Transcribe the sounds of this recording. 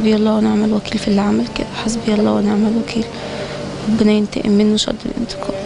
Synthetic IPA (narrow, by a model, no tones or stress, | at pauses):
biːʔɑlˤːɑːweneʕmælwækiːlfilːʕamælkḛd̪æħes̬biːʔɑlˤːɑːweneʕmælwækʰiːl | ɾˤɑbːɪnæjɪnt̪ḛʔɪ̰mːɪnːoʃɑ̰d̪ˤːilʔḛnt̪ɪ̥kʰɑː